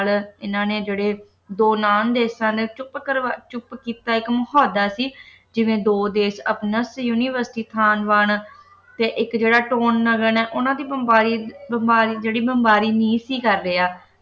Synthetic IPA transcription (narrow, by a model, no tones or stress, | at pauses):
lɪnãːneːd͡ʒeːɽeː | d̪oːnaːnd̪eːsãːd̪eːt͡ʃʊpkəɾʋaːt͡ʃʊpkiːt̪aːɪkməɦɔːd̪aːsiː | d͡ʒɪʋẽːd̪oːd̪eːʃə̰pnəsjuːniːʋəɾsʈiːt̪ʰaːnʋaːɳ | t̪eːʔɪkd͡ʒeːɽaːʈoːnːəɡəɳɛːʔʊnãːd̪iːbəmbaːɾiːbəmbaːɾiːd͡ʒeːɽiːbəmbaːɾiːnĩːsiːkəɾːeːaː